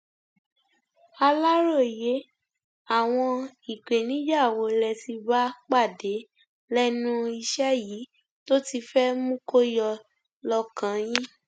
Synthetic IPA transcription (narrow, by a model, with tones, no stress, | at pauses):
a˧la˦ɾo˦˨je˨˦ | a˦˨w̃ɔ̃˧i˨k͡pe˨nĩ˨˦d͡ʒa˦˨wo˨˦lɛ˧ti˧ba˦k͡pa˦˨de˨˦ | lɛ˦nũ˦i˧ʃɛ˦jiː˨˦ | to˦ti˧fɛ˦mũ˦ko˦jɔ˧ | lɔ˧kã˨˦jĩ˦